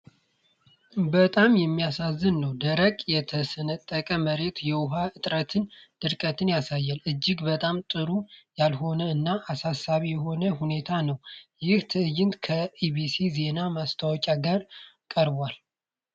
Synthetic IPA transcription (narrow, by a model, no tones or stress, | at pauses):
bət̪ʼamjɛmːijasazːɨnːəwd̪əɾəkʼjɛt̪ʰəsənət̪ʼːəkʼəməɾe̞t̪jɛwʊɦaʔɨt̪ʼɾət̪ʰɨnd̪̥ɨɾkʼət̪ʰɨnjasajːalʔɨd͡ʒːɪɡbət̪ʼamt̪ʼɨɾujalɦo̞nəɨnːaʔasasːaβijɛɦo̞nəhune̞t̪ʰanəwjɪht̪ʰɨɨjːɪnt̪kʰəibisize̞namast̪ʰawɔt͡ʃʼaɡaɾ | kʼəɾbwal